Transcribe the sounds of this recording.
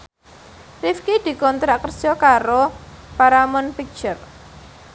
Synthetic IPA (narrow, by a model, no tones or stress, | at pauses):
rifkid̪̥i̤kɔnt̪ɾaʔkərd̥ʒ̥ɔkaɾo | paɾamɔnpik̚t͡ʃər